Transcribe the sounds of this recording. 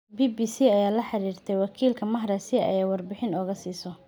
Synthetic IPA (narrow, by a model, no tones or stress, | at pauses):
biːbiːsiːɐjaːlɐħɑɾiːrt̪ʰɛjwɑkʰiːlkʰɐmɐɦɾɛsɪɐ̰jɛːwɑrbɪħɪnɔːɣɐsiːsɔ